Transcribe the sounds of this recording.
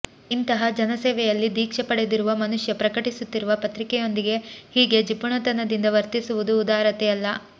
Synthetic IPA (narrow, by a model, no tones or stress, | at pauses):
int̪ɐɦɐd͡ʒɐnɐseːʋɛjɐlːid̪iːkʂɐpɐɽe̞d̪iɾuʋɐmɐnuʂjɐpɾɐkɐʈisut̪ːiɾuʋɐpɐt̪ɾikɛjo̞nd̪iɡe̞hiːɡe̞d͡ʒipuɳɐt̪ɐnːɐd̪ind̪ɐʋɐɾt̪isuʋud̪uːd̪aːɾɐt̪ɛjɐlːɐ